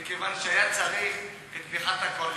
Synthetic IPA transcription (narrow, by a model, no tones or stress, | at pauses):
kevanʃeajat͡saʁiχ | et̪niχat̪hakol